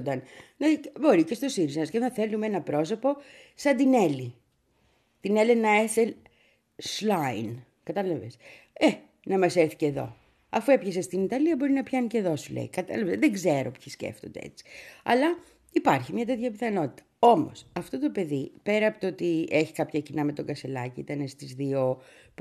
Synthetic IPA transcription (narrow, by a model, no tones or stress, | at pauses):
d̪ɐnnɐbo̞ɾice̞st̪o̞siɾizmɐsceɐθe̞lumenɐpɾo̞so̞po̞ | sɐnd̪ine̞li | t̪ine̞lenɐe̞se | slain | kɐt̪ɐlɐves | e | nɐmɐseɾθi̥ceðo̞̰ | ɐfue̞pçesest̪init̪ɐliɐbo̞ɾinɐpçɐnice̞ðo̞sulḛikɐt̪ɐ̰lɐvezðeɡzeɾo̞pçiscḛft̪o̞nd̪eḛt͡si̥ɐ̰lɐ | ipɐɾçimɲɐt̪e̞t̪çɐpiθɐno̞t̪i̥t̪ɐ̥o̞mo̞̰sɐft̪o̞t̪o̞pe̞ðipe̞ɾɐːpot̪oot̪ie̞çi̥kɐpçɐcinɐme̞t̪o̞ɡɐselɐciḭt̪ɐnest̪izðio̞